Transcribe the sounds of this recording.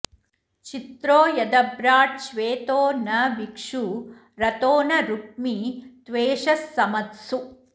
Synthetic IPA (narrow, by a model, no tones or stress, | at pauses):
t͡ʃit̪ɾoːjɐd̪ɐbɾaːʈ̚ʃʋeːt̪oːnɐʋikʂu | ɾɐt̪oːnɐɾuk̚mit̪ʋeːʂɐsːɐmɐt̪su